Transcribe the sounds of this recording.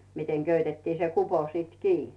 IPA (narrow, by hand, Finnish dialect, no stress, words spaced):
miteŋ køytetːiː se kupo siːt kiː